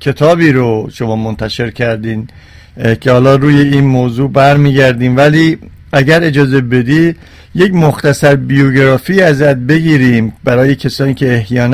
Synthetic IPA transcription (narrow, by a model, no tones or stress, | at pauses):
cʰe̞t̪ʰɒːbiːɾoʃo̞mɒːmont̪ʰæʃe̞ɾcʰæɾd̪iːn | cʰehɒːlɒːɾuːje̞iːnmoːzuːbæɾmiːɟæɾd̪iːmvæliː | æɟæɾe̞d͡ʒɒːze̞be̞d̪iː | je̞cmoxt̪æsæɾbijoɡeɾɒːfiːæzæt̪̚be̞ɟiːɾiːmbæɾɒːje̞cʰæsɒːniːkcʰe̞ːhjɒːn